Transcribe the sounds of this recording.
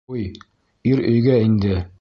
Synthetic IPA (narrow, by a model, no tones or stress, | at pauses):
uj | iɾɵ̆jɡæind̪ɘ